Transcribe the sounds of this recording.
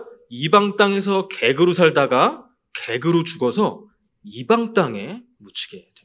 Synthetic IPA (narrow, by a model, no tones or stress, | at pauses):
ibaŋt͈aŋe̞sʰʌke̞ɡɯɾos̬ʰaɭdaɡa | ke̞ɡɯɾot͡ɕuɡʌsʰʌ | ibaŋt͈aŋe̞ | mut͡ɕʰi̥ɡede